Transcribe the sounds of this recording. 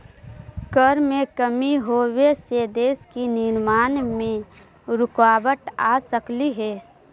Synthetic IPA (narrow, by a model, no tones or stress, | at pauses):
kəɾmẽkəmiɦoːwesed̪eːskinɪɾmaːnmẽ | ɾʊkaːbəʈasəkliɦɛː